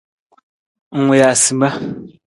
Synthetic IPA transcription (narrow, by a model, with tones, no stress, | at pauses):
ŋe˨ja˨ʔsi˨ma˦